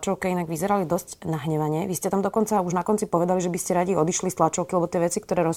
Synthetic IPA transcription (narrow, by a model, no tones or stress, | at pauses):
t͡ʃɔʊkɛinaɡʋizɛɾalid̪ɔscnaɦɲɛʋaɲɛʋiscɛt̪amd̪ɔkɔnt͡sauʒnakɔnt͡sipɔʋɛd̪aliʒɛbiscɛɾaɟiɔd̪iʃlist̪lat͡ʃɔʊkilɛbɔt̪ɪɛʋɛt͡sikt̪ɔɾɛːɾɔ